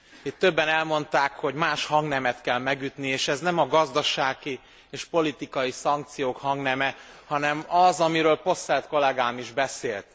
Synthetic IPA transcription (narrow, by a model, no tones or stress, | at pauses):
it̪ːø̞bːɛnɛlmo̞nt̪aːkho̞ɟmaːʃhɒŋɡnɛmɛt̪kɛlmɛɡyt̪nieːʃɛznɛmɒɡɒzd̪ɒʃaːɡi | eːʃpo̞lit̪ikɒjisɒŋk̚t̪sijoːkhɒŋɡnɛmɛ | hɒnɛmɒzɒmiɾøːlpo̞sɛlt̪ko̞lɛɡaːmiʒbɛseːlt̪